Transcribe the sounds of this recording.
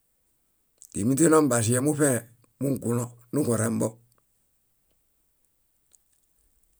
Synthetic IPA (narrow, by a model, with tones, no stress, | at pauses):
d̥i˨mi˦ti˦no˦m˦ba˨s̬i˨jɛ˦mu˦fɛ˦˨ | mu˦ŋ˨ku˨lɔ˦nu˦ko˨ɾɛ˨m˦bɔ˦